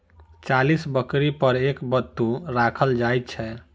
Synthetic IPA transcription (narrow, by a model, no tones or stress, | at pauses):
t͡ʃalisbəkɾipəɾekbət̪ːuɾakʰəld͡ʒajt̪t͡ʃʰɛ